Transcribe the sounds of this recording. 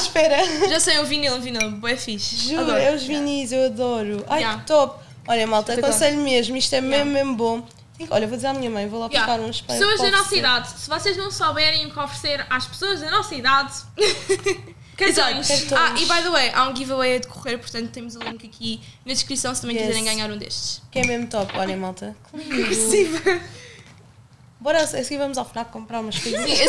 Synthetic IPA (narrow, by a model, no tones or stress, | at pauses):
aʃpɛɾɐʒasɐjũvinilˠvinilˠbɛfiʃʒuɾeuʒviniʃewɐðɔɾuajakt̪ɔp | ɔʎɐmalˠt̪ɐɐkõsɐʎumeʒmuiʃt̪ɛmẽmmembõ | t̪ĩkɔʎɐvod̪izeɾamiɲɐmɐ̃j̃volˠafaikaɾũʃpɐsoɐʒɐnɔsɐiðaðsɨvɔseʒnɐ̃w̃saβɛɾɐ̃j̃kɔ̃fɾseɾaʃpsoɐʒd̪ɐnɔsɐiðað | kɛt̪aʃɛt̪aiβajðɐwɛjʔaũɡivɐwɐjɐd̪kʰuʁeɾpuɾt̪ɐ̃nt̪ut̪ːemuzɐlˠẽkɐkʰinɐd̪ʃkɾisɐ̃w̃sɨt̪ɐmɐ̃j̃kiɛɾɐ̃ɡaɲaɾũd̪ḛʃt̪ʃkɛmemt̪ɔpɔʎɐ̃malˠt̪ɐkũsivɐ | bɔɾasɛsɡiɾvɐmuzafinakkːõmpɾaɾumɐʃkoz